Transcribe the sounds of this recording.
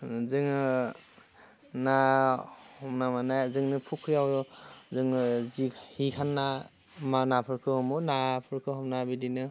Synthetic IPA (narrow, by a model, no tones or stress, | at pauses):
zɯŋ | na | hɔmnamanajzɯŋnɯpʰukʰɾijawjɔzɯŋzihikʰanːa | manapʰɯɾkʰɯhɔmɯnapʰɯɾkʰɯɦɔmnabidinɯ